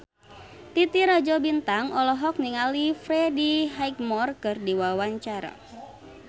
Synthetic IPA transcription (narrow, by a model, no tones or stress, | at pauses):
t̪it̪iɾad͡ʒɔbint̪aŋɔlɔɦɔk̚niŋalifɾɛdiɦajk̚mɔrkɨrdiwawaɲt͡ʃaɾa̰